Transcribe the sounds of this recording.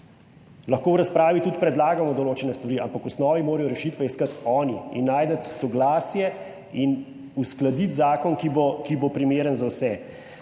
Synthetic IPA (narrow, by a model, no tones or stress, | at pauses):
lɐxkoːwɾaspɾaːʋit̪ut̪pɾɛd̪laːɡamɔd̪ɔloːt͡ʃɛnɛst̪ʋɐɾiampakusnɔːʋimoːɾɐjɔɾɛʃiːt̪ʋɛiskat̪ɔːniḭnːaːjd̪ət̪sɔɡlaːsjɛ | in | usklad̪it̪zaːkɔnkibokibopɾimeːɾənzawsɛ